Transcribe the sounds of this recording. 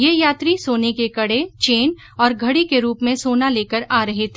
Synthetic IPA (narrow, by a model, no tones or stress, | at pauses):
jeːjaːt̪ɾisoːnekekɐɽet͡ʃeːn | ɔːɾɡʱɐɽikeɾuːpmẽsoːnaleːkəɾaːɾɐɦet̪ʰe